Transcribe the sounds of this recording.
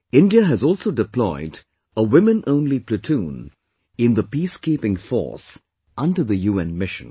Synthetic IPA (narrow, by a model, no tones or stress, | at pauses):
ɪ̃ndiəɦɨzɔːlˠsoʊdɨpʰlɔɪd | əwɪ̃mɨ̃nʔõʊ̃nlipʰlɨtʰũːn | ɪ̃nðəpiskipɪ̃ŋfɔ̰ɹs | ʔʌ̃ndə˞ðəjuːɛ̃nmɪʃɨ̰̃n